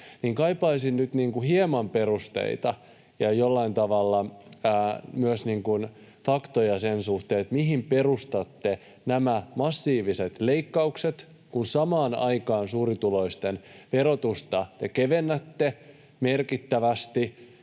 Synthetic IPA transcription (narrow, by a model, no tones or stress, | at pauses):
niːŋkɑipɑisinnyt̪niːŋkuhiemɑmperust̪ḛit̪ɑ | jɑjolːɑint̪ɑʋɑlːɑ | myøsniːŋkun | fɑkt̪ojɑsensuht̪eːet̪miɦimperust̪ɑt̪ːe | næmæmɑsːiːʋiset̪leikːɑukset̪ | kunsɑmɑːnɑikɑːnsuːrit̪uloist̪enʋerot̪ust̪ɑt̪ekeʋenːæt̪ːe | merkit̪ːæʋæst̪i